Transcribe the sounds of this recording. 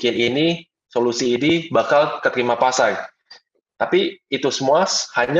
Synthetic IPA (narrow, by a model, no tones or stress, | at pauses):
knini | solusiːnibakalkət̪əɾimapasar | t̪apiːt̪usəmuashaɲa